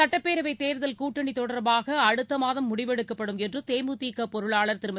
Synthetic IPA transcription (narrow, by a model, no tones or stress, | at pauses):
ɐʈːɐpːeːɾɐʋɐɪt̪ːeːɾðɐlkuːʈːɐɳit̪ɔɽɐɾbaːɣɐːɽɯt̪ːɐmaːðɐmːʊɽɪʋɛɽɯkːɐpːɐɽɯmɛndrɯt̪eːmut̪iːkːɐpɔɾɯɭaːɭɐɾt̪ɪɾɯmɐ